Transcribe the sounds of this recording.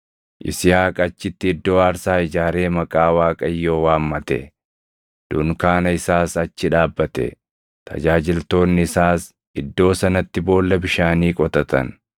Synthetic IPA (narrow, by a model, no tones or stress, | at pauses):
ʔɪ̰sɪhaːkʼɐt͡ʃːɪt̪ːɪːd̪ːo̞ːaːɾsaːɪd͡ʒaːɾe̞ːmɐkʼaːwaːkʼɐjːo̞ːwaːmːɐt̪ɛ̰ | d̪̥ʊŋkaːnɐɪsaːsɐt͡ʃːɪᶑaːbːɐt̪ɛ̰ | t̪ʰɐ̰d͡ʒaːd͡ʒɪlt̪o̞ːnːɪɪsaːs | ɪd̪ːo̞ːsɐnɐt̪ːɪbo̞ːlːɐbɪʃaːniːkʼɔt̪ɐt̪ɐ̰n